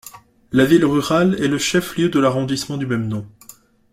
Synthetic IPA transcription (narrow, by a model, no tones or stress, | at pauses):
lavilʁyʁalɛləʃɛfljød̪əlaʁɔ̃d̪ismɑ̃d̪ymɛmnɔ̃